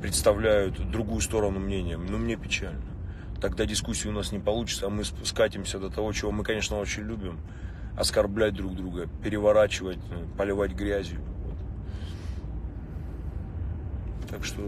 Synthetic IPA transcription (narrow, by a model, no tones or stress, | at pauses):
pɾʲɪt̪st̪ɐvlʲæjʊt̪d̪ɾʊɡujʊst̪o̞ɾənʊmnʲenʲɪjənomnʲe̞pʲɪt͡ɕælʲnə | t̪ɐɡd̪adʲɪskusʲːɪʊnasnʲɪpɐlˠut͡ɕɪ̥t̪səːmɨskatʲɪmsʲəd̪ət̪ɐvo̞t͡ɕɪvo̞mɨkɐnʲe̞ʂnəo̞t͡ɕɪnʲlʲubʲɪm | ɐ̰skɐrblʲæt̚ʲd̪ɾuɡd̪ɾuɡəpʲɪɾʲɪvɐɾat͡ɕɪvətʲpəlʲɪvatʲɡɾʲæzʲjʊvo̰t̪ | t̪akʂt̪o